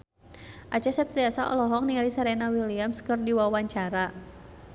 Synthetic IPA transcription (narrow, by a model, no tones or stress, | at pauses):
ʔat͡ʃasɛp̚t̪ɾiasaʔɔ̰lɔɦɔk̚nialisaɾɛnawiliamskərdiwawaɲt͡ʃaɾa